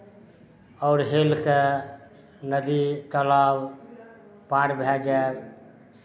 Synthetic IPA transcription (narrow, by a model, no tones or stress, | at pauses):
ɔʊɾɦelke | nəd̪it̪əlaw | paɾbʱɛd͡ʒa